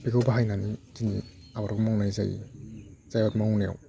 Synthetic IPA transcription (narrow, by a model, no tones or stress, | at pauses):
biɡɯwbaɦajnanizini | abaɾkmawnajzajḭ | z̥ajaɾmaawneja̰w